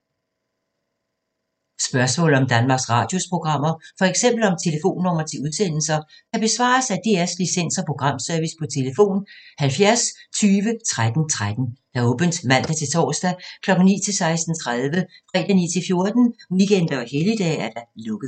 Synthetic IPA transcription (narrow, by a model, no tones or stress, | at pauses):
sb̥ɶɐsmɔ̰̽ːlð̩ˠɒ̽md̥ænmɑ̈ːɡ̥sʁɑ̈ːd̥jo̝spʰʁo̝ɡ̥ʁɑ̈m̰ɐfɒ̽eɡ̥sem̰b̥l̩ɒ̽mt͡sʰe̝ləfo̝̰ːnːɒm̰ɐt͡sʰe̝uðˠsen̰l̩sɐ | kʰæb̥e̝sʋɑ̰̈ːsæd̥e̝æɐslisen̰sɒpʰʁo̝ɡ̥ʁɑ̈m̰sœɐʋispʰɒ̽t͡sʰe̝ləfo̝̰ːnhælfjæɐst͡sʰyːʋət͡sʰʁad̥n̩t͡sʰʁad̥n̩d̥æ̈ɔ̽ːb̥ənd̥mæn̰d̥æt͡sʰe̝lt͡sʰɒ̰ːsd̥ækʰlɒ̽ɡ̥n̩nḭːt͡sʰe̝lsɑ̈ɪsd̥n̩t͡sʰʁaðˠʋəfʁɛ̰ːd̥ænḭːt͡sʰe̝lfjo̝ɐd̥n̩ʋikʰend̥ɐɒhelid̥ɛ̰ːæɐd̥ælɔ̽ɡ̥əð̩ˠ